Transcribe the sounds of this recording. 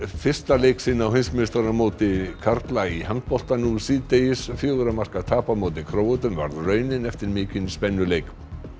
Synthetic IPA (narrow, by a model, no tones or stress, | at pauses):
fɪr̥st̪alejksɪːnaːwɦejnsmɪnɪst̪aɾamoːt̪ɪkʰaɾt̪laihaŋ̚pɔl̥t̪anusiːðt̪ejɪsfjoːwðʏɾamar̥kḁt̪ʰaːpamoːwt̪ɪkʰɾoːwʏt̪ʏmva̰ɾðrœːɥnɪnɛft̪ɪɾmɪːcɪnispɛnːʏlejk